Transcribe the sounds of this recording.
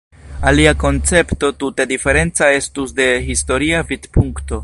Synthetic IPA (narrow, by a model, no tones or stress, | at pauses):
aliako̞nt͡se̞pto̞tutedife̞ɾe̞nt͡sae̞stusde̞ɦisto̞ɾiavidpuŋkto̞